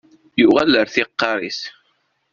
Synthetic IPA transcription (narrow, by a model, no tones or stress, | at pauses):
juʁæləɾθiqːɑɾˤḭs